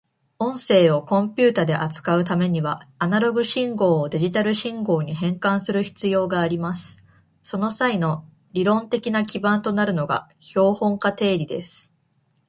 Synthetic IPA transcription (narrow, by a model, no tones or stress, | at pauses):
õ̞ɰ̃se̞ːo̞kõ̞mpʲɨːt̪ad̪e̞ʔat͡sɨ̥kaɯ̟t̪ame̞ɲ̟iβaːnaɾo̞ɡɯ̟ɕĩŋɡo̞ːd̪e̞ʑit̪aɾɯ̟ɕĩŋɡo̞ːɲ̟iɦẽ̞ŋkãɰ̃sɨɾɯ̟çi̥t͡sɨjo̞ːɡaːɾʲimasɨ̥ | so̞no̞saino̞ | ɾʲiɾõ̞nt̪e̞kʲinakʲibãnt̪o̞naɾɯ̟no̞ɡa̰ | ço̞ːhõ̞ŋkat̪e̞ːɾʲid̪e̞̰sɨ̥